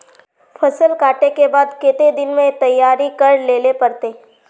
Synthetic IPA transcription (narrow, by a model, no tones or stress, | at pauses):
fʰɐsəlkaːʈekebaːd̪ket̪ed̪ɪnmẽt̪ɐjːaːɾikɐɾleːlepɐɾt̪eː